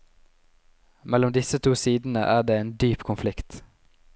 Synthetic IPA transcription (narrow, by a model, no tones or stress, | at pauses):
mɛlʊmd̪ɪsət̪ʰuːsiːd̪n̩ə̰ʔæːɖeːeːnd̪yːpkʰʊnflɪkt̪